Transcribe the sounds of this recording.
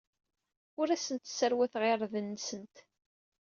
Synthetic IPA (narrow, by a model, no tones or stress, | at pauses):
ʊɾæsənt̪səɾwæθʁeɾˤðənːsənt̪